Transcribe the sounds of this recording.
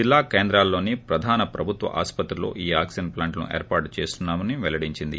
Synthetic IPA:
d͡ʒilːaːkeːnd̪ɾaːlːo̞ːnipɾɐd̪ʱaːnɐpɾɐbʱut̪ʋɐ̰ʔaːspɐt̪ɾulo̰ːʔiːaːksɐnplaːɳʈɐnṵʔḛːɾpaːɾʈt͡ʃeːst̪unːaːmɐniʋɛlɐɽiɲt͡ʃind̪ḭ

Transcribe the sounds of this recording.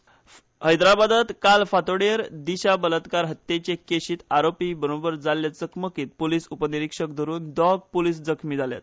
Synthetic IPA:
həjd̪ɾabad̪at̪kalfat̪oɽeɾd̪iɕabələt̪kaɾɦət̪ːet͡ɕekeɕiːt̪aɾopibəɾobəɾd͡zaljat͡səkməkiːt̪̚poliːsupəniɾikʂək̚d̪ʱəɾuːnd̪ɔɡ̚poliːs̬d͡zəkʰmiːd͡zalja̰t̪̚

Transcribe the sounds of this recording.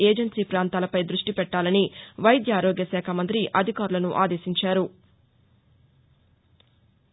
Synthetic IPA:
eːd͡ʒɐɳsiːpɾaːnt̪aːlɐpɐjd̪ɾuʂʈipɛʈːaːlɐniʋɐjd̪jaːɾoːɡjɐsɛːkʰɐmɐnt̪ɾiʔɐd̪ʱikaːɾulɐnuʔaːd̪eːsiɲt͡ʃaːɾu

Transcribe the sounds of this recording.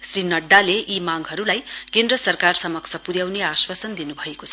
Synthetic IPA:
srinʌɖːaleʔimaɡɦʌɾulajkend̪ɾʌsʌrkarsʌmʌkt͡sʰʌpuɾjawneaswasʌnd̪inubʱʌekot͡sʰʌ

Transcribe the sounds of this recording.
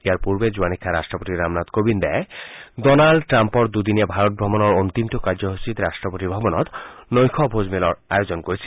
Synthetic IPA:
eaɾpuɾbed͡ʑuanikʰːaɾasʈɾɔpot̪iɾamnat̪kobind̪aedɔnaɭɖʈɾampɔɾd̪ud̪inabʱaɾot̪̚bʱɔbɔnɔɾont̪imʈokaɾd͡ʑɔɦot͡ɕit̪ɾasʈɾɔpot̪ibʱɔbɔnɔt̪nojkʰɔbʱod͡ʑmelɔɾa̰jod͡ʑɔnkoɾit͡ɕʰi̥

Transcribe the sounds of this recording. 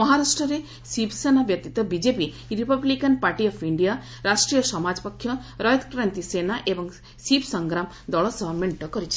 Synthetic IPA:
mɔɦaɾaʂʈɾɐɾe | sibsenaʋjɐt̪it̪ɐbid͡ʒepi | ɾipɐblikɐnpaɾʈiɔpʰiɳɖija | ɾaʂʈɾijɔsɔmad͡ʒpɐkʰːjɔ | ɾɔjd̪kɾant̪isenaʔebɔŋ | sibsɐŋɡɾam | d̪ɔɭɔsɔɦmeɳʈɔkɔɾit͡ʃʰi̥

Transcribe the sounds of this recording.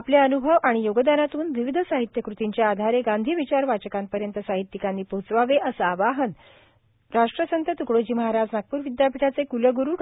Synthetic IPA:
apljaənubʱəʋaɽ̃ijoɡəd̪aɾat̪uːnʋiʋid̪ʱəsaɦit̪jəkɾut̪iɲt͡ɕjead̪ʱaɾeɡand̪ʱiːʋit͡ɕaɾʋat͡ɕəkampəɾjənt̪əsaɦit̪ːikanːiːpot͡sʋaʋeʔəsəaʋaɦən | ɾaʂʈɾəsənt̪ət̪ukɽod͡ʑiːməɦaɾad͡znak̚puːɾʋid̪japʰiʈat͡sekuləɡuɾuːk

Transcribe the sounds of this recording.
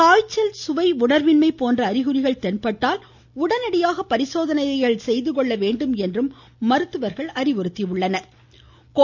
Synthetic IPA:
kaːjt͡ʃːɐlsʊʋɐɪʊɳɐɾʋɪnmɐɪpːoːndrɐːɾɪɣɯɾɪɣɐɭt̪ɛnpɐʈːaːl | ʊɽɐnɐɽɪjaːɣɐpːɐɾɪsoːðɐnɐɪjɐɭsɛjðɯkɔɭːɐʋeːɳɖɯmɛndrɯmː | ɐɾɯt̪ːɯʋɐɾɣɐɭɐɾɪʋɔɾɯt̪ːiɯɭːɐnɐɾ | k

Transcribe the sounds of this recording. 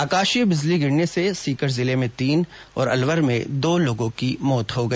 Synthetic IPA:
aːkaːʃibɪzliɡɪɽnesesiːkəɾzɪlemẽt̪iːnɔ̰ːɾɐ̰lʋəɾmḛ̃d̪oːloːɡõkimɔːt̪ɦoɡɐi

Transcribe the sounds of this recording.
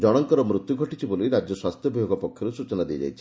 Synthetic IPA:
d͡ʒɔɽ̃ɔŋkɔɾɔmɾut̪juɡʱɔʈit͡ʃʰiboliɾad͡ʒjɔswast̪ʰjɔbʱibɔɡɔpɔkʰjɔɾusut͡ʃɔnad̪iɔ̰d͡ʒa̰jt͡ʃʰi̥

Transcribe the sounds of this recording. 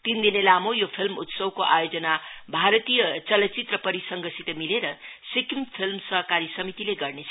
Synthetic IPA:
t̪ind̪inelamojopʰilmṵt̪sʌwkoʔajod͡zʌnabʱaɾʌt̪ijʌt͡sʌlʌt͡sit̪rʌpʌɾisʌŋɡʌsit̪ʌmileɾʌsikimpʰilmsʌɦʌkaɾisʌmit̪ileɡʌrnet͡sʰ

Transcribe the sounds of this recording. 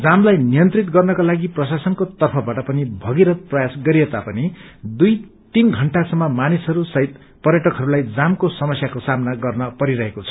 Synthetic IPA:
d͡zamlajnijʌnt̪rit̪ɡʌrnʌkalaɡiprʌsasʌnkot̪ʌrpʰʌbaʈʌpʌnibʱʌɡiɾʌprʌjasɡʌɾiet̪apʌnid̪uj | t̪inɡʱʌɳʈasʌmːʌmanisɦʌɾusʌɦit̪ | pʌɾjʌʈʌkɦʌɾulajd͡zamkosʌmʌsjakosamnaɡʌrnʌpʌɾiɾʌɦekot͡sʰʌ̥

